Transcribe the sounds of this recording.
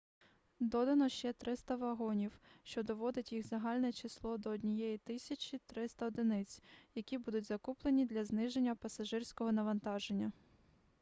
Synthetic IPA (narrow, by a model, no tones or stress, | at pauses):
d̪ɔd̪ɐnɔʃt͡ʃɛt̪ɾɪst̪ɐʋɐɦɔnʲiwʃt͡ʃɔd̪ɔʋɔd̪ɪtʲjixzɐɦɑlʲnɛt͡ʃislˠɔd̪ɔːdʲnʲijɛjit̪ɪsʲɐt͡ʃʲit̪ɾɪst̪ɐɔd̪ɪnɪt͡sʲjɐkʲibud̪ʊtʲzɐkuplˠenʲid̪lʲɐznɪʒenʲːɐpɐsɐʒɪrʲsʲkɔɦɔnɐʋɐnt̪ɑʒenʲːɐ